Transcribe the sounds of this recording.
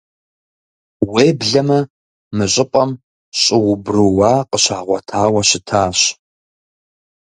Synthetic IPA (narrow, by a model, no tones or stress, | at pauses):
weːbɮɐmɐ | mɨɕʼɪpʼɐm | ɕʼɪwʊbrɨwaːqəɕaːʁʷɔtʰaːwɐɕɪtʰaːɕ